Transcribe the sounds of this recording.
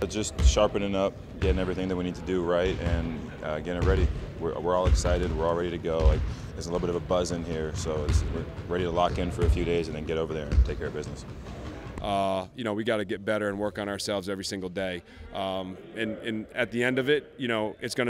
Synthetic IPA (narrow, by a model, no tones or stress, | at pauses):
d͡ʒʌstʃɑɹpɨ̃nɨ̃nʌp̚ | ɡ̥ɛɾɪ̃ŋɛvɹiθɪ̃ŋðɨt̚winid̚tʰɨdɨɹaɪt̚ɨ̃n | ʌɡɛ̃əɹɛɾiwɪɹwɪɹɔlˠəksaɪɾɨd̚wɪɹɔlˠɹɛɾiɾɨɡoʊlaɪk̚ðə˞znlɪɾl̩ˠbɪɾʌvəbʌzɨ̃nhiɹsoʊɪswɪɹɛɾiɾəlɑkɨ̃nfə˞ɨfjʉɾeɪzɨ̃n̩ðɨ̃nɡɛɾoʊvə˞ðə˞ɨ̃ntʰeɪkʰɛɹə˞bɪznɨs | ʔʌjɨnoʊwiɡɑɾɨɡɛt̚b̥ɛɾə˞ɨ̃nwɜ˞kn̩ə˞sɛlˠvzɛvɹisɪ̃ŋɡl̩ˠdeɪ | ʔʌ̃mɨ̃nɨ̃nɨt̪̚ðiɛ̃ndʌvɪt̚jɨɾ̃oʊʔɨtsɡ̥ʌnɨ